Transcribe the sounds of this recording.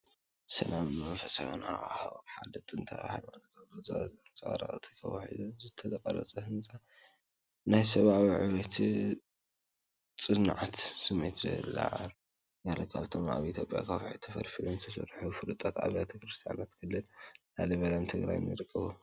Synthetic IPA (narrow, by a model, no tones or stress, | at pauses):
sɐnambɨmɐfɐsa̰nahmħalɨt̪ʼɨnt̪ʰɐ̰ɾa̰halmalɐt̪ʰbɨzazɨnt͡sʼaa̰ɾɐ̰xʼɨt̪ʰikʰɐ̰wɐħḭd̪uzɨt̪ʰɐlɐkʼɐɾɐ̰t͡sʼɐhɨnt͡sʼa | najsɐβaβiʕɨwɐt̪ʰi | t͡sʼɨnɨʕat̪sɨmːet̪ɐ̰la̰ʕl | ɡalɐkʰaβt̪ʰoma̰βiʔit̪ʰjopʼja̰kʰaβʕɨt̪ʰɐfɐ̰lfilunt̪ʰɐsɐ̰ɾħufɨlɨt̪ʼat̪ʕa̰βjat̪ʰɐkɾɨst̪ʰija̰nat̪kʰɨlːɨlnalɐβɐlant̪ʰɨɡɾa̰jnɨɾɨkʼːɨβu